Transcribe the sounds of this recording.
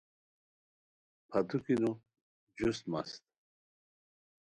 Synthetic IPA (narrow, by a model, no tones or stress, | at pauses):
pʰat̪ʰukinu | d͡ʑust̪mast̪̚